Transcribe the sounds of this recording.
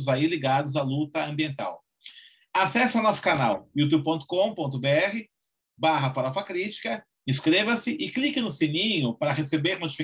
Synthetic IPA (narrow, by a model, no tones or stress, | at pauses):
zailiɡad̪ʊzalut̪ɐɐ̃mbiẽnt̪a̰w | asɛsɐnɔsʊ̥kana̰wjut̪ub̚põnt̪ʊ̥kõpõnt̪̬ʊbeɛhɪ | baɦɐfɔɾafakɾit͡ʃi̥kɐ | ĩskɾevɐsɪʔɪklikɪnʊsenĩɲʊpaɾɐɦesebeɾnot͡ʃifi